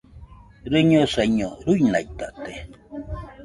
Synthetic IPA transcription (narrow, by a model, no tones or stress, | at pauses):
ɾɨɲoseɲoɾujnajt̪aʔt̪e